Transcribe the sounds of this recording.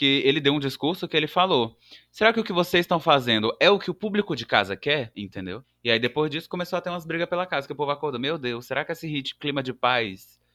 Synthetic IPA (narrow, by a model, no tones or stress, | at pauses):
kɪelɪd̪ewũd͡ʒiskuɾsʊkɪelɪfalo | seɾakɪʊkɪvosezɪst̪ɐ̃w̃fazẽnd̪ʊʔɛʊkɪʊpublikʊd͡ʒɪka̰zɐkɛɾĩnt̪ẽnd̪ew | ɪaid̪epojzd͡ʒisʊ̥kõmesowat̪eɾũɐzbɾiɡɐspelɐkazɐkɪʊpovʊakoɾd̪ɐmewd̪ewsːeɾakɪesɪɦit͡ʃɪ̥klĩmɐd͡ʒɪpajs